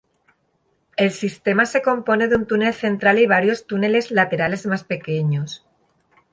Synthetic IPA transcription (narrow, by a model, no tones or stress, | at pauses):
e̞lsist̪e̞mase̞ko̞mpo̞ne̞ðunt̪une̞lθe̞nt̪ɾaliβ̞aɾjo̞st̪une̞le̞zlat̪e̞ɾale̞zmaspe̞ke̞ɲo̞s